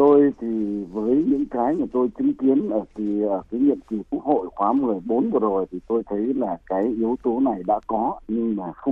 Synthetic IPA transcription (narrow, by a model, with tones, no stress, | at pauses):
t̪o˧jt̪ʰi˨˩vəː˨˦jɲɨ̰˧˥ŋkaː˨˦jɲaː˨˩t̪o˧jt͡ɕɨ˨˦ŋki˨˦ənʔəː˧˩ki˨˩ʔəː˧˩kaː˨˦jɲḭ˧˨əmki˨˩ku˦˥ək̚ho̰˧˨jkwaː˨˦mɨ˨˩əjɓo˨˦nvɨ˨˩zo˨˩jt̪ʰi˨˩t̪o˧jt̪ʰə˨˦jlaː˨˩kaː˨˦jʔi˨˦əwt̪o˨˦na˨˩jɗa̰ː˧˥kɔ˨˦ɲɨ˧ŋmaː˨˩xə˧wŋ͡m